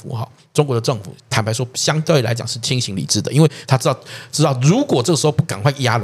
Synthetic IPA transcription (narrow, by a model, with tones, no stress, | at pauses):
fṵ˨˩xɑ̰˧˩ | ʈ͡ʂo˥ŋkwɔ˧˥d̪ə˧ʈ͡ʂɤ˥˨˩ŋfṵ˨˩t̪ʰa˨˩npʰa˧˥ɪʂwɔ˥ɕjɑ˥ŋt̪we˥˩ɪla̰˧˦ɪt͡ɕjɑ̰˨˩ŋʂɻ̩˥˩t͡ɕʰi˥ŋɕi˧˥ŋlḭ˨˩ʈ͡ʂɻ̩˥˩d̪ə˩ʔi˥nwe˥˩ɪt̪ʰa˥ʈ͡ʂɻ̩˥t̪ɑ˥˨˩ʊʈ͡ʂɻ̩˥t̪ɑ˥˩ʊɻu˧˥kwɔ˨˩ʈ͡ʂɤ˥˩ɡə˩ʂɻ̩˧˥o˥˧ʊpu˥˩ka˨˩nkwa˥˩ɪja˦˥l